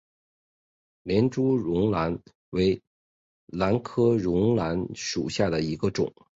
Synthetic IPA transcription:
ljɛ˧˥nʈ͡ʂu˥ɻʊ˧˥ŋla˧˥n | we˧˥ɪ | la˧˥nkʰɤ˥ɻʊ˧˥ŋla˧˥nʂu˨˩ɕja˥˩d̪ə˩i˧˥ɡə˧ʈ͡ʂʊ̰˨˩˦ŋ

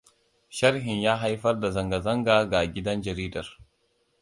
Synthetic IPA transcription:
ʃɐ˦ɾɦɪ˨ɲjaː˦ɦa˦jɸɐ˦rda˨zɐ˨ŋɡa˨zɐ˦ŋɡaː˨ɡa˨ɡʲɪ˦dɐ˦nd͡ʒɐ˨ɾiː˦dɐ˨r

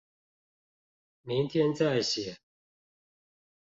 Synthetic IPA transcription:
mi˨˦ŋt̪ʰjɛ˦nt͡sa˥˩ɪɕjɛ˨˩˦

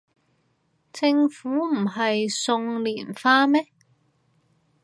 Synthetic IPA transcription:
t͡sɪ˧ŋfuː˨˥m̩˨˩ɦɐ˨jsʊ˧ŋliː˨˩nfaː˥mɛ˥

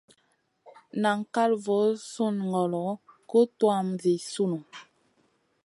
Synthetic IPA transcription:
na˨ŋ˨ka˦lvɔ˨˦su˦˨nŋɡɔ˨lɔ˨˦ku˦twa˦˨mvi˨su˦nu˨

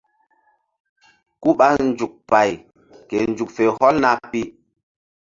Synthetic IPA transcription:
ku˦ɓa˦n˨d͡ʒu˨k̚pa˨j | ke˨n˨d͡ʒu˨k̚fe˨hɔ˦lna˦pi˦

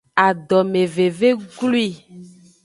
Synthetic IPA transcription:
a˨ɖɔ˨me˨ve˨ve˦ɡlu˦i˦˨

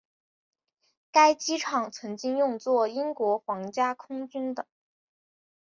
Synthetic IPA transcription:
ka˥ɪt͡ɕi˥ʈ͡ʂʰɑ˨˩ŋt͡sʰɤ˧˥ŋt͡ɕi˥ŋjʊ˥˧ŋt͡swɔ˥˩i˥ŋkwɔ˧˥xwɑ˧˥ŋt͡ɕja˥kʰʊ˥ŋt͡ɕy˥nd̪ə˨˩˦

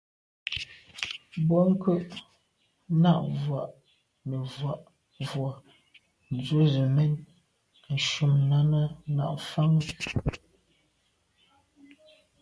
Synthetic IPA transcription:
bɔ˦ŋ̩˦kə˦ʔ | na˦ʔvwa˨ʔ | nə˨vwa˨ʔ | vwɔ˨ | n̩˨d͡zwə˦zə˨mɛ˦n˨ | n̩˨ʃu˨mna˦nə˦na̰˦˨ʔfa˦ŋ˦

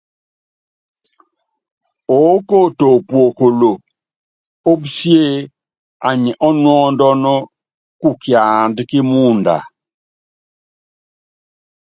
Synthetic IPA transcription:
o˨˦ko˦˨to˨pwo˨ko˨lo˨ | o˦bsje˦˨ | a˨ɲɛ˨ʔɔ˦nwɔ˦ndɔ˦nɔ˦ | ku˦kja˨ndkɪ˦mu˦nda̰˨

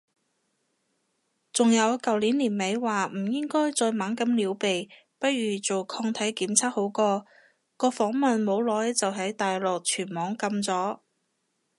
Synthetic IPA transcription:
t͡sʊ˨ŋjɐ˨˧wkɐ˨wliː˨˥nliː˨˩nme˨˧jwaː˨m̩˨˩jɪ˥ŋkɔː˥jt͡sɔː˧jmaː˨˥nkɐ˨˥mliː˨˥wpe˨j | pɐ˥t̚ɥyː˨˩t͡so˨wkʰɔː˧ŋt̪ʰɐ˨˥jkiː˨˥mt͡sʰaː˥k̚ho˨˥wkɔː˧ | kɔː˧fɔː˨˥ŋmɐ˨nmo˨˧wlɔː˨˥jt͡sɐ˨wɦɐ˨˥jt̪aː˨jlɔː˨k̚t͡ʃʰyː˨˩nmɔː˨˥ŋkɐ˧mt͡sɔː˨˥

